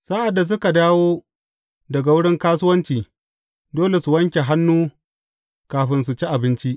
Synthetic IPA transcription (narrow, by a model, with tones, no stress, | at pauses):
sa˦ʔa˨dːa˨s̬ʊ˦ka˨daː˦woː˦ | dɐ˨ɡa˨wʊ˦ɽɪ˦ŋkaː˦sʊ˦wɐ˦nt͡ʃiː˨ | doː˦le˨su˨wɐ˦ŋkʲe˨ɦa˦nːuː˦ | kaː˨ɸɪ˦ns̬u˨t͡ʃi˦ʔa˨bɪ˦nt͡ʃi˦ʔ